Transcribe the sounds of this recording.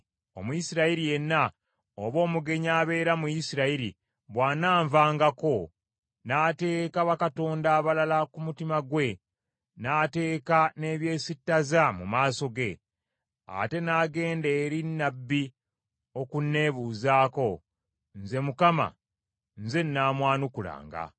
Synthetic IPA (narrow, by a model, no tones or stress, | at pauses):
o̞̰mujisiɾaiɾije̞nːa | oβo̞ːmuɡe̞ɲaːβe̞ːɾamujisiɾaiɾḭ | βwaːnaːɱvaːŋɡako̞ | naːte̞ːkaβakato̞ːndaːβalalakumutimaɡwe̞ | naːte̞ːkane̞ːβje̞ːsitːazamṵmaːso̞ɡe̞ | a̰te̞naːɡe̞ːndeːɾinːabːi | o̞kunːe̞ːβuːzaːko̞ | nze̞mukama̰ | nze̞nːaːmwaːnukula̰ːŋɡa̰